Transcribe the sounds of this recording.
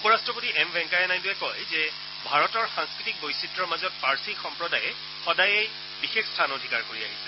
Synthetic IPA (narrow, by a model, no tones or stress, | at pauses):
upɔɹastɹɔpotiɛmbɛŋkajɛnajduɛkɔjzɛ | bʱaɹɔtɔɹxãŋskɹitik̚bojsitɹɔɹmazɔt̚paɹsikxɔmpɹɔdajɛ | xɔdajej | bixexstʰanodʱikaɹkoɹia̰ɦisɛ̥